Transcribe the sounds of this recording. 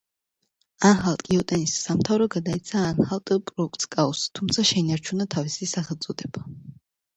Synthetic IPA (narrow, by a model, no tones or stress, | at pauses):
anχalˠt̪ʼkʼiɔt̪ʼɛnisːamt̪ʰavɾɔɡad̪ait̪sʰaːnχalˠt̪ʼpʼɾɔuk̚ʰʼt̪skʼaɔst̪ʰumt̪sʰaʃɛinaɾt͡ʃʰunat̪ʰavisisaχɛlˠt̪sʼɔd̪ɛba